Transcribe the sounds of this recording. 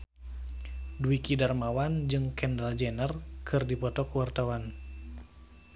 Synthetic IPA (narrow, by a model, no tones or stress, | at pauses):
duikidarmawand͡ʒɨŋkɛndald͡ʒɛnərkʰɨrdipɔt̪ɔkwart̪awan